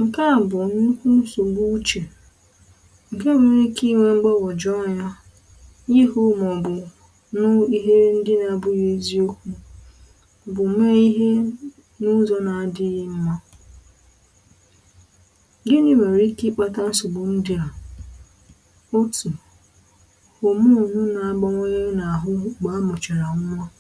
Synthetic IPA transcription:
ŋ̩˨ka˦˨bʊ˨nu˦kʷu˦n̩˦so˨bu˦t͡ʃe˨ | ŋ̩˨ke˦me˨ɾi˦ki˦ŋʷe˦ŋ͡m̩˦ɡ͡bɔ˦bʊ˨d͡ʒɔ˦˨ja˦ | jɪ˦ɦʊ˦mɔ˨bʊ˨ | nʊ˦i˦ɦe˦n̩˦dɪ˦na˨bʊ˦je˦zi˦o˦kʷu˦ | bʊ˨me˦i˦ɦe˦ | nʊ˦zɔ˦na˨a˨dɪ˦ɣɪ˦m̩˦ma˦ | de˦ni˦me˨ɾi˦ki˦k͡pa˦ta˦n̩˦sʊ˨bʊ˨n̩˦dɪ˦a˨ | o˦tu˨ | ho˨mu˦˨nʊ˦na˨a˨ɡ͡ba˦ŋʷe˦ɲe˦na˨a˨ɦʊ˦ɡ͡ba˨˦mʊ˨t͡ʃe˨ɾa˨ŋ̩˦mʷa˦

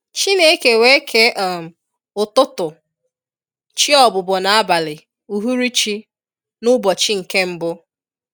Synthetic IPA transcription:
t͡ʃi˦ne˦e˦ke˨we˦kʰe˦ʔɔ˦˨m̩˨ | ʊ˨tʊ˦tʊ˨ | t͡ʃi˦ɔ˨bʊ˨bɔ˨na˨a˦ba˨lɪ˨ | u˨ɦu˦ɾi˦t͡ʃi˦ | nʊ˦bɔ˨t͡ʃi˦ŋ̩˨ke˦m̩˦bʊ˦

